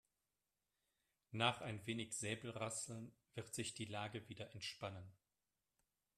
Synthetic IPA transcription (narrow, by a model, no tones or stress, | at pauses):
naːχʔaɪnveːnɪçz̥ɛːbl̩ʁasl̩nv̥ɪʁtz̥ɪçd̥iːlaːɡəviːdɐʔɛntʃpanən